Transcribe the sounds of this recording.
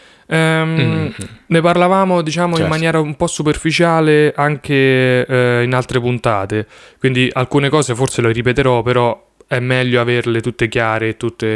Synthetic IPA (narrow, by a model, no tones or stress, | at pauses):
ɛm | neparlavaːmod̪it͡ʃaːmoimːanjɛːɾaumpɔsːuperfit͡ʃaːleʔaŋk̟e | inalt̪ɾepunt̪aːt̪ekwind̪iʔa̰lkuːnekɔːzefort̪seleɾipet̪eɾɔpːeɾɔ | ɛmːɛʎːoaverlet̪ut̪ːekjaːɾeːt̪ːut̪ːe